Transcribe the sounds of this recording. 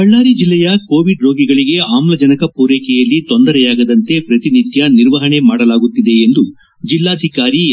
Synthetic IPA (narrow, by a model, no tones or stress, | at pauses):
ɐɭːaːɾid͡ʒilːɛjɐko̞ːʋiɖɾo̞ːɡiɡɐɭiɡe̞aːmlɐd͡ʒɐnɐkɐpuːɾeːkɛjɐlːit̪o̞nd̪ɐɾɛjaːɡɐd̪ɐnt̪e̞pɾɐt̪init̪jɐniɾʋɐɦɐɳe̞maːɽɐlaːɡut̪ːid̪e̞ːnd̪u | d͡ʒilːaːd̪ʱikaːɾi